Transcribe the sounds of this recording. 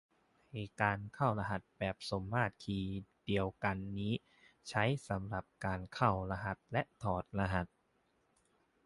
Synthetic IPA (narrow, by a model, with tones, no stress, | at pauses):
heː˨˩t̪̚kaː˧nkʰa˥˩wla˧ɦa˨˩t̪̚bɛː˨˩p̚so˩˦mːaː˥˩t̪̚kʰiː˧di˧əwka˧nːiː˦˥ | t͡ɕʰa˦˥jsa˩˦mɾa˨˩p̚kaː˧nkʰa˥˩wɾa˧ɦa˨˩t̪̚lɛ˦˥ʔt̪ʰɔː˨˩t̪̚la˧ɦa˨˩t̪̚